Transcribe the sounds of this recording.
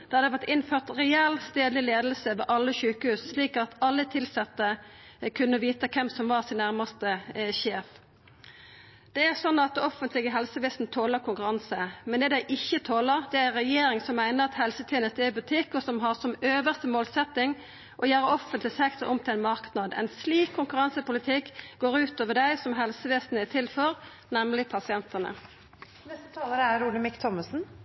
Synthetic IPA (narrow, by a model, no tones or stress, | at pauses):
d̪̥æʁd̪ɛʋæt̪ɪnføːʁt̪ɾɛɛlst̪eːd̪lɪleːd̪lsəʋɛ̰ʔɑlːəçʉːkəhʉːssliːkɑt̪ɑlːət̪ʰɪlsɑt̪ːəkʰʉnːəʋiːt̪əkʰɛmsɔmʋɑʁsɪnːæʁmɑst̪əçeːf | d̪̥ɛæʁsɔnːɑt̪ɔfənt̪lɪɡəɦɛlsəʋɪst̪n̩t̪ʰoːləʁkʰʊŋkʉɾɑnsəmɛnd̪ɛd̪æɪʔɪçːət̪ʰoːləʁd̪ɛæʁɛjeːɾɪŋsɔmːæɪnəʁɑt̪hɛlsət̪ʰiːənəst̪ɛbʉt̪ʰɪkːɔsɔmɦɑʁsɔmøːʋəst̪əmoːlsɛt̪ːɪŋ | ʔɔjæːɾəɔfənt̪lɪsɛkt̪ə̰ʔɔmt̪ɪlæɪnmɑʁknɑd̪ɛ̰ɪnsliːkʰːʊŋkʉʁɑnsəpʊlɪt̪ʰɪkːɡ̥oːʁʉːt̪oːʋəd̪æɪsɔmɦɛlsəʋesn̩ɛt̪ʰɪlfɔʁ | nɛmlɪpʰɑsɪɛnt̪ənə̰ | nɛst̪ə̥t̪ʰɑːləɾəæɾuːləmɪkt̪ʰɔməsn̩